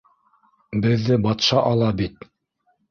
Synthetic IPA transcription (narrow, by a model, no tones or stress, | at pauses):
bɘ̆ðːɘbɑt̪ʃɑʔɑlˠɑbit̪